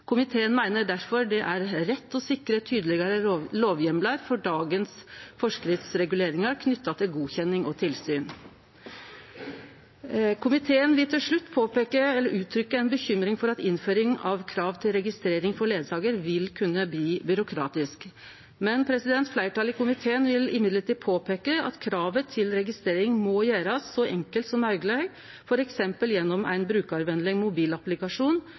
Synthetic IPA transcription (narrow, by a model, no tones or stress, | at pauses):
kʰʊmɪt̪ʰeːənmæɪnəɖ̪æɾfɔɾɖ̪ɛʔæɾɾɛt̪ːɔsɪkɾət̪ʰyːd̪əlɪɡəɾəloːʋjɛmləɾfɔɖɑːɡənsfɔʂkɾɪt̪sɾɛɡʉleːɾɪŋɑɾkʰnʏt̪ːɑt̪ʰɪlɡuːçɛnːɪŋɔt̪ʰɪlsyːn | kʰʊmɪt̪ʰeːənʋɪlt̪ʰɪlʂɭʉt̪ːpʰoːpeːkəɛlːəɾʉːt̪ʰɾʏkːəɛnbəçʏmɾɪŋfɔɾɑt̪ɪnføːɾɪŋɑʋkʰɾɑːʋt̪ʰɪlɾɛɡɪst̪ɾeːɾɪŋfɔɾɭeːd̪sɑːɡəɾʋɪlkʰʉnːəbliːbʏɾʊkʰɾɑ̰ːt̪ɪsk | mɛnpʰɾɛsɪd̪ɛnt̪flæɪʈɑːlɪkʊmɪt̪ʰeːənʋɪlɪmɪd̪ləʈiːðpʰoːpʰeːkəɑ̰t̪kʰɾɑːʋət̪ʰɪlɾɛɡɪst̪ɾeːɾɪŋmɔjæːɾɑsːɔʔɛŋkəlt̪sɔmɑʉɡlɑːɡ | fɔɾɛksɛmpəljɛnːɔmæ̰ɪnbɾʉːkɑɾʋɛnd̪lɪŋmʊbiːlɑplɪkɑʂuːn